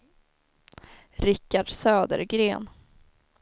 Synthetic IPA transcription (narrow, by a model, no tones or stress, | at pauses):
ɾɪkːaɖsøːd̪ə̰ɾɡɾeːn